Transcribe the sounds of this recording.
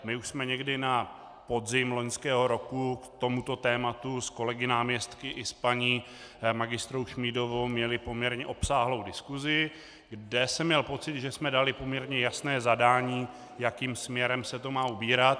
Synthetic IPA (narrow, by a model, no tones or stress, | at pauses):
mɪuʃsmɛɲɛɡdɪna | po̞dzɪmlo̞ɲskɛːɦo̞ɾo̞kukt̪o̞mut̪o̞t̪ɛːmat̪usko̞lɛɡɪnaːmɲɛst̪kɪʔɪspaɲiː | maɡɪst̪ɾowʃmido̞vowmɲɛlɪpo̞mɲɛɾɲɛʔo̞psaːɦlo̞wdɪskuzɪ | ɡdɛsɛmɲɛlpo̞t͡sɪt̪ʒɛsmɛdalɪpo̞mɲɛɾɲɛjasnɛːzadaːɲiː | jakiːmsmɲɛɾɛmsɛt̪o̞maːubiːɾat̪̚